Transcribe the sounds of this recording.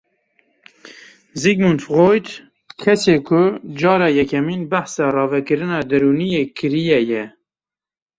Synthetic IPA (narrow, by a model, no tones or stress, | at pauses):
zikmunfɣojt̪ | kʰɛseːkʰʊd͡ʒɑːɾɑːjɛkʰɛmiːnbæħsɑːrɑːvɛkɨɾɨnɑːd̪ɛɾuːnijeːkʰɨɾijɛjɛ